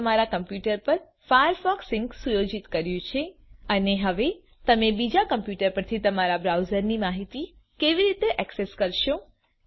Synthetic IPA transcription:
əmaɾakəmpjuʈəɾpəɾ | fajəɾfɔksɪŋksujod͡ʒit̪kəɾjũt͡ʃʰeəneɦəʋe | t̪əmebid͡ʒakəmpjuʈəɾpəɾt̪ʰit̪əmaɾabɾawzəɾnimaɦit̪i | keʋiɾit̪eʔɛkseskəɾʃõ

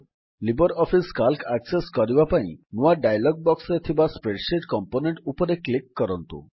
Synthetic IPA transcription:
libɔɾɔpʰiskalkakseskɔɾibapaḭ̃nuaɖajlɔɡ̚bɔksɔɾet̪ʰibaspɾeɖʃeʈkɔmponeɳʈupɔɾeklikːɔɾɔnt̪ṵ

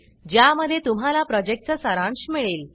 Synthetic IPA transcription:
d͡ʑjaməd̪ʱːjet̪um̤alapɾɔd͡ʑek̚ʈ̚t͡səsəɾãnɕmiɭel

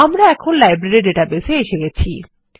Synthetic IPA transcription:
amɾaɛkʰonlajbɾeɾiɖeʈabeseeʃeɡɛt͡ɕʰi

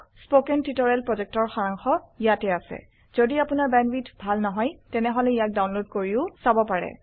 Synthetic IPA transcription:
spokɛntitɔɹɛlpɹɔzɛk̚tɔɹxaɹaŋxɔijatɛasɛ̰ | z̥odiapunaɹbɛnwitbʱalnɔɦɔjtɛnɛɦɔlɛijak̚dawnlodkoɹiʊsabɔpaɹɛ̰

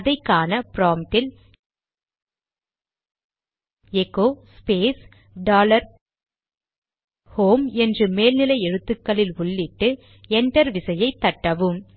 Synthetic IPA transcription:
ðɐɪkːaːnɐpɾoːmʈɪl | ɛkːoːspeːs | ɖaːlɐɾ | hoːmɛndrɯmeːlnɪlɐɪɛɻɯt̪ːɯkːɐɭɪlʊɭːɪʈːɯ | ɛɳʈɐɾʋɪsɐjɐɪt̪ːɐʈːɐʋɯm

